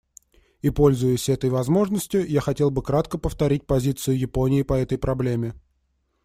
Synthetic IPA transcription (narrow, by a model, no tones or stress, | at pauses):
ipo̞lʲzʊjɪsʲɛt̪əjvɐzmo̞ʐnəsʲtʲjʊjaxɐtʲe̞lˠbɨkɾat̪kəpəft̪ɐɾʲit̚ʲpɐzʲit̪sɨjʊjɪpo̞nʲɪɪpɐɛt̪əjpɾɐblʲemʲɪ